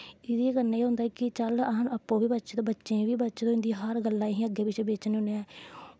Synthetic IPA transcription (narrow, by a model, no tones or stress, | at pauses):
ɪd̪ekəɾnaːeːɦʊ̃nd̪aːkɪt͡ʃələɦənəpːõːʋiːbətːt͡ʃt̪ːbətːʃẽːʋiːbətːʃt̪õːɪ̃nd̪iːɦəɾɡəlːãːɦĩːəɡːeːpɪt͡ʃbeːt͡ʃnːʊneːɛː